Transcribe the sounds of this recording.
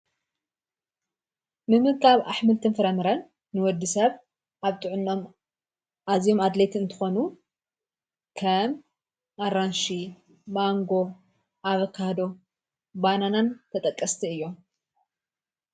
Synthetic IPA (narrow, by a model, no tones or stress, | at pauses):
mɨmɨkʰaβʔaħmɨlt̪ʰɨnfɨɾɐmɨɾɐn | nɨwɔd̪ːisɐβ | ʔaβt̪ʰʼɨʕʊnːom | azjo̞mad̪let̪ʰɨnt̪ʰɨ̥xo̞nu | kʰɐm | ʔaɾanʃi | maŋɡo̞ | ʔaβɐkʰahd̪o̞ | bananant̪ʰɐt̪ʼɐkʼːɐst̪ʰiɨjːo̞m